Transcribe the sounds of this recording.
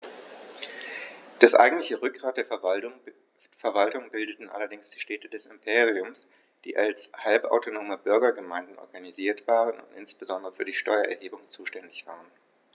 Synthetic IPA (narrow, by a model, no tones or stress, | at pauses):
d̥asʔa̰ɪɡŋ̩tlɪçəʁʏk̚ɡ̥ʁaːt̚d̥eːɐ | fɛɐvaltʊŋbɪldətn̩ʔa̰lɐdɪŋsd̥iːʃtɛːtədɛsɪmpʰeːʁiʊms | d̥ḭːʔalshalpa̰ʊtonoːməbʏɐɡɐɡəmaɪndn̩ʔɔ̰ɐɡaniziːɐtv̥aːʁənʊ̰ntʔɪ̰nsb̥əzɔndəʁəfyːɐdiːʃtɔʏɐʔɛɐhɦeːbʊŋt͡suːʃtɛndɪçv̥a̰ːʁən